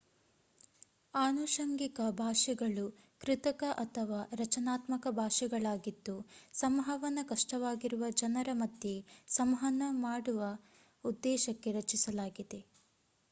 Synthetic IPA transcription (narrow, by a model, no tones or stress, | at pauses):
aːnuʃɐŋɡikɐbʱaːʂɛɡɐɭu | kɾit̪ɐkɐʔɐt̪ʰɐʋaːɾɐt͡ʃɐnaːt̪mɐkɐbʱaːʂɛɡɐɭaːɡid̪ːusɐmɦɐʋɐnːɐkɐʂʈɐʋaːɡiɾuʋɐd͡ʒɐnɐɾɐmɐd̪jesɐmɦɐnːɐmaːɽuʋɐ | ud̪ːɛːʃɐkːe̞ɾɐt͡ʃisɐlaːɡid̪e̞